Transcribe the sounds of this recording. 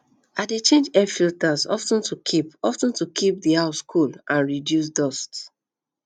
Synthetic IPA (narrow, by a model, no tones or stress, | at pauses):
adet͡ʃẽnd͡ʒɛfiltazɔ̰ftə̃ntukʰipɔftə̃ntukʰip̚diaʊskʰulʔãnɹidjus̬dɔst